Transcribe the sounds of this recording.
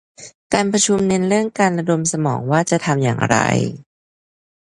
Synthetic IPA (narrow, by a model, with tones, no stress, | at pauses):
kaː˧npʰɾa˧t͡ɕʰu˧mne˧nɾɯ˥˩əŋkaː˧nɾa˧do˧msa˧mɔ̰ː˩˦ŋwaː˥˩t͡ɕa˨˩t̪ʰa˧mja̰ː˨˩ŋɾa̰˧j